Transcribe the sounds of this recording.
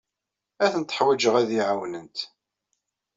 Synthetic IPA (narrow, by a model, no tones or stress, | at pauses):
æθənt̪ːə̥ħwæd͡ʒəʁæðiʕawnənt̪